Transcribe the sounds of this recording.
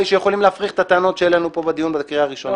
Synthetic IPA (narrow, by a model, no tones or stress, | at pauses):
iʃejeχo̞limleafʁiχe̥t̪at̪eano̞t̪ʃelenupo̞bed̪ijunbed̪kʁiaʁiʃon